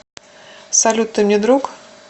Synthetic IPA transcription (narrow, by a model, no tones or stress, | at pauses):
sɐlʲut̪ːɨmnʲed̪ɾuk